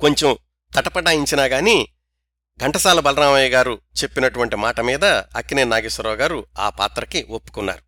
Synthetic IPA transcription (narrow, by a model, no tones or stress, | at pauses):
ko̞ɲt͡ʃem | t̪ɐʈɐpɐʈaːiɲt͡ʃinaːɡaːni | ɡɐɳʈɐsaːlubɐlɐnaːmɐjɐɡaːɾut͡ʃe̞pːinɐʈuʋɐɳʈimaːʈɐmiːd̪ɐːkːineːnaːɡisɐɾɔːɡaːɾua̰ːpa̰ːt̪ɾɐkiopːu̥kunːa̰ːɾu